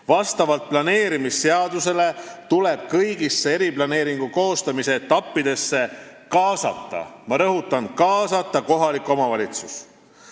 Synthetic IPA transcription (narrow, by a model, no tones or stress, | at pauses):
vɑst̪ɑvɑlt̪̚plɑne̞ːɾimisːe̞ɑd̪̥use̞le̞t̪ule̞b̥̚kɤjɡisːee̞ɾiplɑne̞ːɾiŋɡ̥uko̞ːst̪ɑmise̞ːt̪ːɑpːid̪̥e̞sːe̞ | kɑːsɑ̰t̪ːɑ̰mɑɾɤɦut̪ːˑɑnkɑːsɑt̪ːˑɑko̞ɦɑlikˑo̞mɑvɑlʲit̪sus